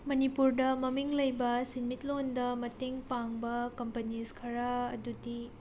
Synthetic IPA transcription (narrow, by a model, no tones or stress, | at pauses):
mɐnipuɾdɐmɐmiŋlɐjbɐsinmit̚londɐmɐteŋpaŋbɐkɐmpɐniskʰɐɾaɐ̰dudi